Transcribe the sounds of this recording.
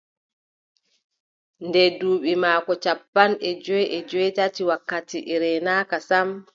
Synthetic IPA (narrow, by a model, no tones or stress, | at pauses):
ndɛduːɓimaːkɔt͡ʃapːanɛd͡ʒɔjʔɛd͡ʒɔjtatiwakːatiʔiɾɛnaːkasam